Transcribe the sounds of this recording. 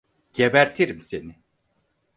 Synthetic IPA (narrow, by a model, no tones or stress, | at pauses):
ɟ̥ebæɾt̪ʰiɾimsenɪ